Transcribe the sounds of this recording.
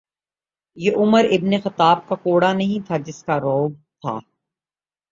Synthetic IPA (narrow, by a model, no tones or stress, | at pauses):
jeʔʊməɾɪbnexɐt̪aːb̚kakoːɽanɐɦĩt̪ʰad͡ʒɪskaɾɔːb̚t̪ʰa̰ː